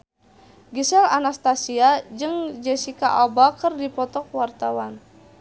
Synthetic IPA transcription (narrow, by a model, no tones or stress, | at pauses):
ɡisɛlanast̪asiad͡ʒɨŋd͡ʒɛsika̰ʔabakərdipɔt̪ɔk̚wart̪awan